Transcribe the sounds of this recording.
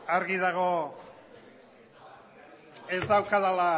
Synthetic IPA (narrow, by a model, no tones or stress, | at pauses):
aɾɣiðaɣ̞o̞ | e̞zd̪awkaðala